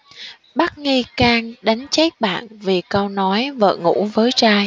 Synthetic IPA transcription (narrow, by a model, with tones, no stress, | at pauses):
ɓa˦˥t̚ŋi˧kaː˧ŋɗa˨˦jŋ̟t͡ɕe˦˥k̚ɓa̰ː˧˨nvi˨˩kə˧wnɔ˨˦jvə̰ː˧˨ŋṵ˧˥vəː˨˦jt͡ɕaː˧j